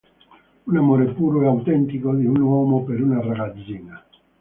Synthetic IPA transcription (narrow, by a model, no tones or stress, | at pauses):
unamoɾepuɾoɛawt̪ɛnt̪ikod̪iunɔmopeɾunaraɣad͡zina